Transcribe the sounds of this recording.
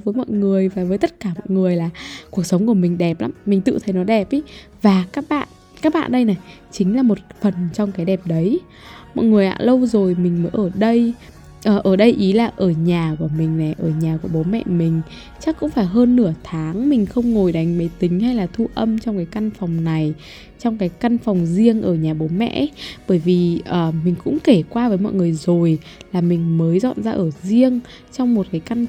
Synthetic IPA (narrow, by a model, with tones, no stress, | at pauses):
vəː˨˦jmɔ̰˧˨jŋɨ˨˩əjvaː˨˩vəː˨˦jt̪ə˦˥t̚kaː˧˩mɔ̰˧˨jŋɨ˨˩əjlaː˨˩ku˨˩ək̚sə˨˦ŋ͡mku˧˩əmï˨˩ŋ̟ɗɛ˨˩p̚la̰ː˨˦mːï˨˩ŋ̟t̪ɨ̰˧˨t̪ʰə˨˩jnɔ˨˦ɗɛ˨˩p̚ʔi˨˦ | vaː˨˩kaː˦˥k̚ɓa̰ː˧˨n | kaː˦˥k̚ɓa̰ː˧˨nɗə˧jna˨˩j | t͡ɕï˨˦ŋ̟laː˨˩mo˨˩t̚fə˨˩nt͡ɕɔ˧wŋ͡mkaː˨˦jɗɛ˨˩p̚ɗə˨˦j | mɔ̰˧˨jŋɨ˨˩əjʔa̰ː˧lə˧wzo˨˩jmï˨˩ŋ̟məː˨˦jʔəː˧˩ɗə˧j | ʔəː˨˩ʔəː˧˩ɗə˧jʔi˨˦laː˨˩ʔəː˧˩ɲaː˨˩ku˧˩əmï˨˩ŋ̟na˨˩jʔəː˧˩ɲaː˨˩ku˧˩əɓo˨˦mɛ̰˧˨mï˨˩ŋ̟ | t͡ɕa˦˥kːʊ̰˧˥ŋ͡mfaː˧˩jɦəː˧nːɨ˧˩ət̪ʰaː˨˦ŋmï˨˩ŋ̟xə˧wŋ͡mŋo˨˩jɗa˨˦jŋ̟mə˨˦jt̪ï˨˦ŋ̟ha˧jlaː˨˩t̪ʰu˧ʔə˧mt͡ɕɔ˧wŋ͡mkaː˨˦jka˧nfɔ˨˩wŋ͡mna˨˩j | t͡ɕɔ˧wŋ͡mkaː˨˦jka˧nfɔ˨˩wŋ͡mzi˧əŋʔəː˧˩ɲaː˨˩ɓo˨˦mɛ̰˧˨ʔɓəː˧˩jvi˨˩ʔəː˨˩mï˨˩ŋ̟kʊ̰˧˥ŋ͡mke˧˩kwaː˧vəː˨˦jmɔ̰˧˨jŋɨ˨˩əjzo˨˩j | laː˨˩mï˨˩ŋ̟məː˨˦jzɔ̰˧˨nzaː˧ʔəː˧˩zi˧əŋ | t͡ɕɔ˧wŋ͡mmo˨˩t̚kaː˨˦jka˧n